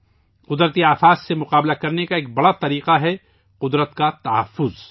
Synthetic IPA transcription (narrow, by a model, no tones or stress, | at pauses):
qʊd̪ɾət̪iaːfaːssemʊqaːblakɐɾnekaeːk̚bɐɽat̪ɐɾiːqaɦɛ | qʊd̪ɾət̪kat̪ɐɦɐ̰fːʊz